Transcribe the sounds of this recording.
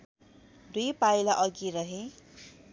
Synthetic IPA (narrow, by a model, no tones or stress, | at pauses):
d̪ujpajlaʔʌɡiɾʌɦe